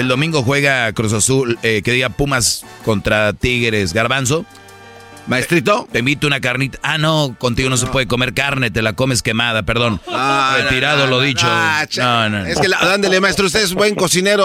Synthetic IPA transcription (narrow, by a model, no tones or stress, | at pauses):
eld̪o̞mĩŋɡo̞xwe̞ɣakɾos̬asulekeðiɣapumas | ko̞nt̪ɾat̪iɣeɾe̞sɣaɾβans̬o̞ | maet̪ɾit̪ot̪embit̪eunakaɾnit̪ḁʔano̞ko̞nt̪iɣo̞nos̬e̞pwe̞ðeko̞me̞ɾkaɾne̞t̪e̞lako̞me̞ske̞mað̞ape̞ɾðo̞naet̪iɾaðo̞lo̞ðit͡ʃot͡ʃnononeskelad̪and̪elemaest̪ɾoust̪eðezbweŋkosineɾo